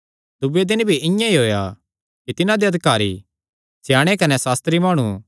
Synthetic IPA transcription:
d̪ʊbed̪ɪnbʱiʔɪ̃jãiɦoːja̰ | kit̪ɪnãd̪eɐd̪ʱɪkaːɾḭ | sʰɪjaːɽ̃ekɐnɛsaːst̪ɾimaːɽ̃u

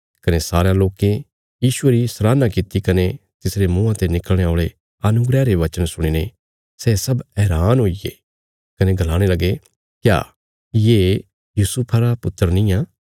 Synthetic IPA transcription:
kɐnesaːɾejãloːkẽ | jiːʃʊeɾisɾaːnãkit̪ikɐnet̪ɪsɾemũːãt̪enɪkəlɽ̃eoːɭe | ɐnʊɡɾɛːɾeʋɐt͡ʃənsʊɽ̃iːne | sɛːsɐbɛːɾaːnɦoːiḛ | kɐneɡʱɐlaːɽ̃elɐɡe | kja̰ː | jeː | juːsʊpʰaɾapʊt̪ːəɾnĩjãː

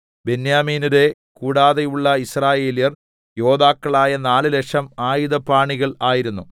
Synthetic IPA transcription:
be̞njaːmiːnuɾe̞ | kuːɽaːðejuɭːɐisraːje̞ːlijɐr | jo̞ːðaːkːɐɭaːjɐnaːlɨlekʂɐmaːjuðɐpaːɳiɣɐɭaːjiɾunːu

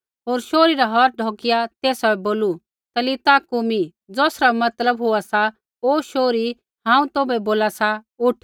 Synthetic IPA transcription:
ɦoːɾʃoːɾiɾaɦɔːt̪̚ɖʱɔːkɪjat̪eːsaɛboːlu | t̪ɐlɪt̪akumi | d͡zɔːsɾamɐt̪ləbɦoasa | oːʃoːɾi | ɦãːũt̪oːbɛboːlasaʊʈʰ

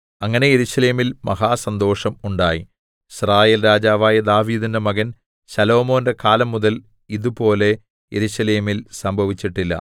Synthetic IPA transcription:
ɐŋːɐne̞jeɾuɕɐleːmilmɐɦaːsɐnd̪o̞ːʂɐmuɳɖaːji | iɕraːjeːlɾaːd͡ʑaːʋaːjɐd̪aːʋiːd̪indemɐɣɐn | ɕɐlo̞ːmo̞ːndekaːlɐmːuðɐl | iðupo̞ːle̞ | jeɾuɕɐleːmilsɐmbʱɐʋit͡ɕːiʈːilːɐ̰

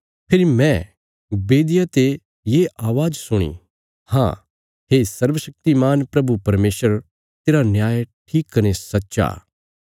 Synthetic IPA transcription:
pʰɪɾimɛ̃ | beːd̪ɪjat̪e | jeʔaːʋaːd͡ʒsʊɽ̃ḭ | hã̰ | ɦesɐɾʋəʃɐk̚t̪imaːnpɾɐbupɐɾmeːsəɾ | t̪eːɾanjaːjʈʰiːkːɐnesɐtːʃa̰ː

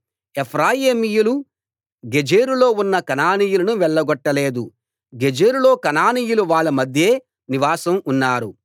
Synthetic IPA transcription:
epʰɾaːjeːmijulu | ɡed͡ʒeːɾulo̞ːunːɐkɐnaːnijulɐnuʋɛɭːɐɡɔʈːɐle̞ːd̪u | ɡed͡ʒeːɾulo̞ːkɐnaːnijuluʋaːɭːɐmɐd̪ʱje̞ː | niʋaːsɐmunːaːɾu

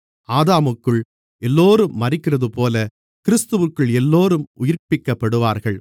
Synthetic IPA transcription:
aːðaːmɯkːɯɭ | ɛlːoːɾɯmːɐrɪkːɪrɐðɯpoːlɐ | kɪɾɪst̪ɯʋɯkːɯɭɛlːoːɾɯmʊjɪɾpɪkːɐpːɐɽɯʋaːɾɣɐɭ

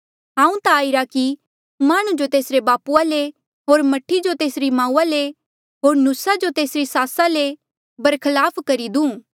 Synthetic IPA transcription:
ɦãːũt̪aːɪɾaki | maːɽ̃ũd͡ʒot̪eːsɾebaːpuale | ɦoːɾmɐʈʰːid͡ʒot̪eːsɾimãːuːale | ɦoːɾnusad͡ʒot̪eːsɾisaːsale | bɐɾkʰɐlaːpʰkɐɾid̪ũː

